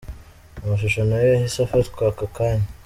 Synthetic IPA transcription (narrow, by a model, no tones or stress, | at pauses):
umaʃuʃanojehisafatkwakakaːɲa